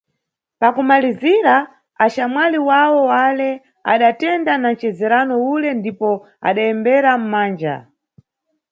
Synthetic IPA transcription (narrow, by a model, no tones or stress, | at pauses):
pakumaliziɾa | aʃamwaliwawɔwalɛ | a̰ɗatɛndanan̩t͡ʃɛzɛɾanɔulɛndipɔ | a̰ɗaɛmbɛɾam̩maːnd͡ʒa̰